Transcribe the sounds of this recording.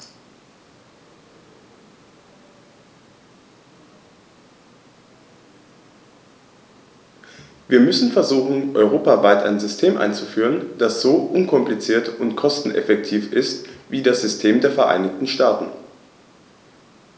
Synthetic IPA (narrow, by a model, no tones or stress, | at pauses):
viːɐmʏsn̩fɛɐzuːxn̩ʔɔʏʁ̞oːpavaɪtʔa̰ɪnzʏstʰeːmʔa̰ɪnt͡sufyːʁənd̥asz̥oːʔʊnkʰɔmplit͡siːɐtʊntkʰɔstn̩ʔɛ̰fɛk̚tʰiːfɪstviːdasz̥ʏstʰeːmdeːɐfɛɐʔa̰ɪnɪçtn̩ʃtaːtn̩